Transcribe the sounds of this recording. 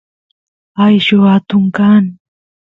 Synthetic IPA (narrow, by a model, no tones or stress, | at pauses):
ajʃʊat̪ʊŋkan